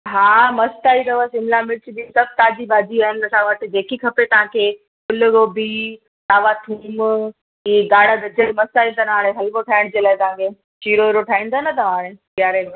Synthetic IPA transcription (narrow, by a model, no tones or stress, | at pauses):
ɦãːmɐst̪aːit̪ɐʋəsɪmɪlamɪt͡ɕb̪isɐb̚t̪aːd͡ʑibaːd͡ʑiaːɦɪnɪ̆ɐsãʋəʈ̆d͡ʑeːkikʰɐpet̪ɐʋ̤ãːkʰeː | kʊlɡobi | t̪aːʋat̪ʰuːm | ɦiːɡ̪aːɽaɡ̪ɐd͡ʑəimɐst̪aːĩnt̪anaːɽ̃ẽɦɐlkoʈʰaːɪɽ̃d͡ʑeːlaːɪt̪ɐ̤ãːkʰe | t͡ɕiːɾoɪɾoʈʰaːĩːn̆d̪aːnɐt̪ɐʋãːɽ̃ekjaːɾe